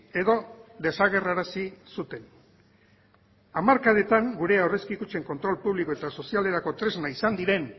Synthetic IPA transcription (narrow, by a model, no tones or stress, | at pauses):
e̞ðo̞d̪e̞saɣ̞e̞raɾasisut̪e̞n | amaɾkaðe̞t̪aŋɡuɾe̞awre̞skikut͡ʃe̞ŋko̞nt̪ɾo̞lpuβliko̞e̞t̪aso̞siale̞ɾako̞t̪ɾe̞znaisand̪iɾe̞n